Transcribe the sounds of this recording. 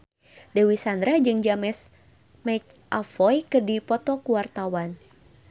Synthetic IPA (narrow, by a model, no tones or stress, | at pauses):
dewisand̪ɾad͡ʒɨŋd͡ʒamɛs | mɛt͡ʃ | ʔafɔjkərdipɔt̪ɔkuwart̪awan